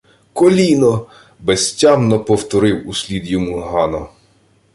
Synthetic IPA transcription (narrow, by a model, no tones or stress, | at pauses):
kɔlʲinɔ | besʲtʲamnɔpɔwt̪ɔɾɪwusʲlʲid̪jɔmuɦɑnɔ